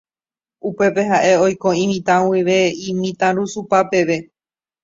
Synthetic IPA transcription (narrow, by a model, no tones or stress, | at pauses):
upe̞pe̞ɦaʔe̞o̞jko̞ĩmĩt̪ãwiʋe̞ĩmĩt̪ãɾusupape̞ʋe̞